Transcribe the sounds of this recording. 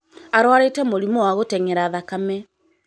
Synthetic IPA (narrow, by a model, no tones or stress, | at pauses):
aɾwaɾetɛmoɾimɔwaɣotɛŋɛɾaːðakamɛ